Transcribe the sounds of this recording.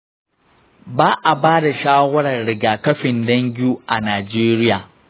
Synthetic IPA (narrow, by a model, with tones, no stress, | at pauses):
baː˦ʔa˨baː˦da˨ʃaː˦wɐ˦ɽɐ˨rɽɪ˨ɡaː˨kɐ˦ɸɪ˨ndɐ˦ŋɡʲuː˦ʔa˨naː˨d͡ʒeː˦ɾɪ˦jaː˨